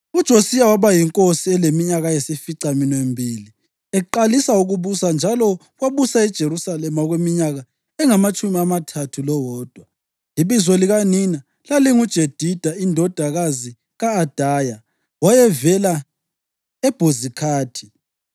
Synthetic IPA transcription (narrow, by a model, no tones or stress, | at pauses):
ud̥ʒ̥ʱosijawaβajiŋkʼosiɛlemiɲaɣajesifiǀaminembʱiːli | ɛǃalisauɣuβusand͡ʒʱalɔ | ɣwaβusaɛd̥ʒ̥ʱeɾusalɛmaɔɣwemiɲaɣa | ɛŋamat͡ʃʼumiamatʰatʰulɔwɔːd̥ʱwa | iβizɔliɣanina | laliŋud̥ʒ̥ʱed̥ʱid̥ʱaindʱɔd̥ʱaɣazi | ɣaːd̥ʱaːja | wajɛvɛla | ɛb̥ʱozikʰaːtʰi̥